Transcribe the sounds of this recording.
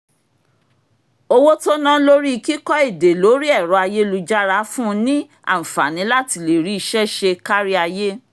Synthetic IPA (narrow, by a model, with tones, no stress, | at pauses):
o˧wo˦to˦nã˦lo˦ɾi˦˧ki˦kɔ˦e˦˨de˨lo˨˦ɾi˦ɛ˦˨ɾɔ˧˦a˧je˦lu˧d͡ʒa˦ɾa˧˦fũ˦˧nĩ˦ | ã̰˦˨fa̰˨nĩ˨˦la˦˨ti˧le˨ɾi˨˦i˧ʃɛ˦ʃe˧ka˦ɾi˦a˧je˦